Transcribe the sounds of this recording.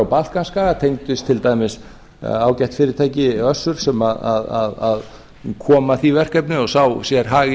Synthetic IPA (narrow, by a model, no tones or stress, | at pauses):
awpalt̪kanskaːɣat̪ʰejŋt̪ʏst̪ʰɪlt̪aːjmɪs | aːwcɛjht̪fɪːɾɪɾt̪ʰaːjcɪœsːʏɾ̥sɛmaðaða̰ðað | kʰɔːmaθivɛr̥kɛpnʏɔsawsjɛɾ̥ɦaːɣɪ